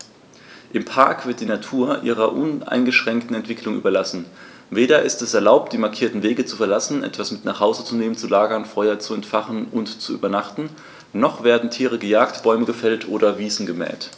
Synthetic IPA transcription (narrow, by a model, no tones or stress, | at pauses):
ʔɪmpʰaɐkv̥ɪɐt̚d̥iːnatʰuːɐʔḭːʁ̞ɐʔʊna̰ɪnɡəʃʁ̥ɛŋktn̩ɛntv̥ɪklʊŋʔyːbɐlasn̩ | veːɾɐʔɪstɛsɛɐlaʊp̚t̚d̥iːmaɐkʰiːɐtn̩veːɡət͡sufɛɐlasn̩ʔɛ̰tv̥asmɪtnaːχhaʊzət͡suneːmənt͡sulaːɡɐnfɔʏɐt͡suɛntfaχn̩ʊntt͡suʔyːbɐnaχtn̩ | nɔχv̥eːɐdn̩tʰiːʁ̞əɡəjaːktb̥ɔʏməɡəfɛltʰʔoːɾɐviːzn̩ɡəmɛ̰ːt